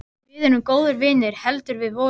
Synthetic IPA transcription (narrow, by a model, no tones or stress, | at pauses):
ɪðɪnʏmkoːwðʏɾvɪːnɪɾ̥hɛlt̪ʏɾvɪðvɔː